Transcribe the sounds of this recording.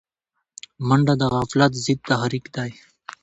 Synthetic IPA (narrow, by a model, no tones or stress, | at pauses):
mɐɳɖad̪aɣaːflat̪zid̪̚t̪aɦɾikd̪aj